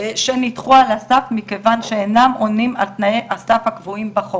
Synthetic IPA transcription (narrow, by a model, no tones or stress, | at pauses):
ʃenit̪χualasafmikevanʃeenamʔonima̰lt̪naeʔasafhakvuimbaχo